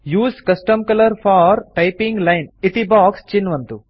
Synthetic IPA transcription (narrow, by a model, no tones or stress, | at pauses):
juːskɐsʈəmkɐlɐɾfaːɾʈɐɪpĩŋɡlaɪnɪt̪ibaːkst͡ʃinːʋɐnt̪u